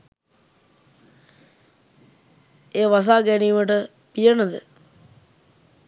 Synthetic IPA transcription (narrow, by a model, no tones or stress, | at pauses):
eːʋas̬aːɡæniːməʈə | pijənəd̪ə̰